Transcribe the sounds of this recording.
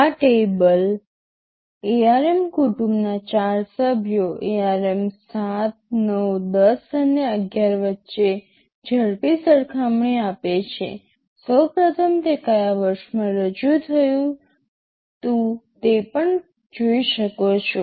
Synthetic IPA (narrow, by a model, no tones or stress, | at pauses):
aʈebəl | eaɾemkuʈumnat͡ʃaɾsəbʱjoʔeaɾemsat̪̚nəwd̪əsəneəɡjaɾʋətːʃe | d͡ʒʱəɾpisəɾkʰamɳiapet͡ʃʰḛ | səwpɾət̪ʰəmt̪ekəjaʋəɾʃmãɾəd͡ʒut̪ʰəjũ | t̪ũt̪epəɳ | d͡ʒoiʃəkot͡ʃʰo